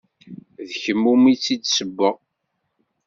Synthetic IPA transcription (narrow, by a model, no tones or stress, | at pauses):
ðçəmːumit͡sːid̪səbːə